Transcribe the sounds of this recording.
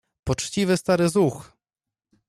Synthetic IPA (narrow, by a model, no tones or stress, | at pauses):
pɔt͡ʂt͡ɕivɘst̪aɾɘzux